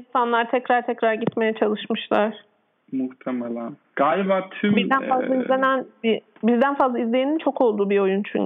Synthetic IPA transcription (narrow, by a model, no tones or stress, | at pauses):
insanlˠaɾt̪ʰɛcɾaɾt̪ʰɛcɾaɾɟit̪me̞jɛt͡ʃʰalˠɯʃmɯʃlˠaɾ̥ | muht̪ʰemelʲæn | ɡ̥alʲbat̪ʰybiɾd̪ænfazlˠaizlʲe̞nænbi | bizd̪ænfazlˠaizlʲejinint͡ʃʰo̞kʰo̞lˠd̪uːbio̞junt͡ʃʰy̰ɲ